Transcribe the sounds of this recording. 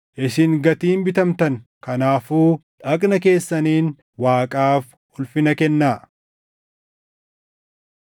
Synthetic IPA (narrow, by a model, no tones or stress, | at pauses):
ʔɪsɪŋɡɐt̪iːnbɪt̪ɐmt̪ɐŋkɐnaːfuːᶑɐkʼnɐk̬e̞ːsːɐniːn | waːkʼaːf | ʊlfɪnɐkɛnːaː